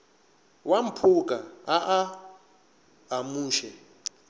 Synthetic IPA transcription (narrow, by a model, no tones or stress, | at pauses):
wam̩pʰuk̬ʼaaʔa | muːʃɛ